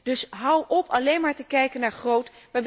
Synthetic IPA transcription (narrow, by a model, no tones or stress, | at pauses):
d̥ɵsɦʌwʔɔpʰɑlejnmaːɹtəkɛjkənaːɹχrowt | ʋab